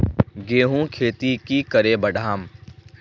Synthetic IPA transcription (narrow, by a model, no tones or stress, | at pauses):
ɡeːɦũːkʰeːt̪ikiːkəɾeːbəɖʱaːm